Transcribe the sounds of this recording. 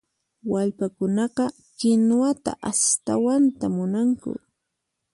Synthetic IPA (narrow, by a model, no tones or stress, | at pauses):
waʎpakʊnɑqɑ | kɪnwat̪a̰ʔast̪awant̪amʊnaŋkʊ̰